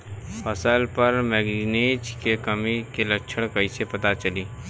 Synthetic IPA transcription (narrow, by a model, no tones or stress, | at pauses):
pɐsalpɐɾmɛːɡneːd͡ʒkekɐmikelɐkːt͡ʃʰəɽ̃kɐisepɐt̪at͡ʃɐliː